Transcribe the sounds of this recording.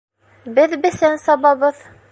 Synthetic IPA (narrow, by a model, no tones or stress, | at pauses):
bɘðbɘ̆sænsɑβɑβɤð